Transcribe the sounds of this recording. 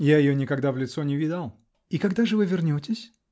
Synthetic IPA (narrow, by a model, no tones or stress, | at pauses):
jajɪjonʲɪkɐɡd̪avlʲɪt̪sonʲɪvʲid̪əlˠ | ikɐɡd̪aʐɨvɨvʲɪrnʲotʲɪsʲ